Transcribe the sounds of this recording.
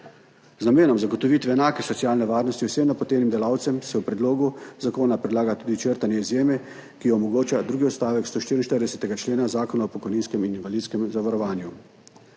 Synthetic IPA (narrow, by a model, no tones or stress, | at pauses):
znameːnɔmzaɡɔt̪ɔʋit̪ʋɛːnaːkɛsɔt̪siaːlnɛʋaːɾnɔst̪iwsɛmnapɔt̪eːnimd̪ɛlawt̪sɛmsɛwpɾɛd̪loːɡuzakoːnapɾɛd̪laːɡat̪uːd̪it͡ʃəɾt̪anjɛizjeːmɛ | kijɔːmɔɡoːt͡ʃad̪ɾuːɡiɔt̪st̪aːʋɛkst̪oːʃt̪iːɾinʃt̪əɾd̪ɛsɛt̪ɛɡat͡ʃleːnazaːkɔnaɔpɔkɔjniːnskɛmininʋalit̪skɛmzaʋaɾɔʋaːnju